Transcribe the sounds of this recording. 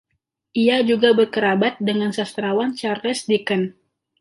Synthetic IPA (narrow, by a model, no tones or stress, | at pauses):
ʔiad͡ʒuɡabərkəɾabat̪̚dəŋansast̪ɾawant͡ʃarlɛsdikən